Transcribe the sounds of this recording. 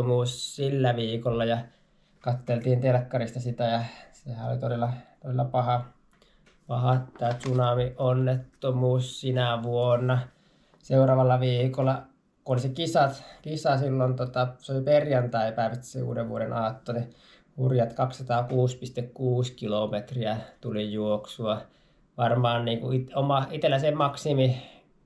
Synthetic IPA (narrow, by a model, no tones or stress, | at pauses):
omuːssilːæʋiːkolːɑjɑ | kɑt̪ːelt̪iːnt̪elkːɑrist̪ɑsit̪æjɑsehæo̰lit̪odelːˑɑt̪odelːɑpɑhɑ | pɑhɑt̪ːæːt̪sunɑmiʔonːet̪ːomuːssinæʋuonːɑ | seurɑːʋɑlːɑʋiːkolːˑɑ | kuolisekisɑt̪kisɑsilːont̪ot̪ɑseoliperjɑnt̪æiɑpæˑiʋæt̪ːi̥sḛṵːdeʋʋuoɾenɑːt̪ːone | hurjɑt̪kɑkssɑt̪ɑːkuːspist̪ekkuːskilomet̪riɑt̪ulijuoksuɑ | ʋɑrmɑːnniːŋkuit̪omɑit̪elːæsemɑksimi